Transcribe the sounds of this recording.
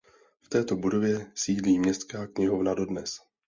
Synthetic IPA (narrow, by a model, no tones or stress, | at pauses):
ft̪ɛːt̪o̞budo̞vjɛsiːdliːmɲɛst̪kaːkɲɪɦo̞vnado̞dnɛs